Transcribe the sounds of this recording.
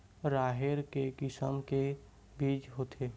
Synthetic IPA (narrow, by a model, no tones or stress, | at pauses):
ɾaːɦɪɾkekɪsəmke | biːt͡ʃɦoːt̪ʰeː